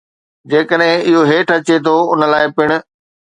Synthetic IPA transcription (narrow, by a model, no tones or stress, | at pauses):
d͡ʑeːkəɗɦɪ̃ɪɦoɦeːʈʰɐt͡ɕet̪ʰoʊnə̆laːɪpɪɽ̃ʊ̆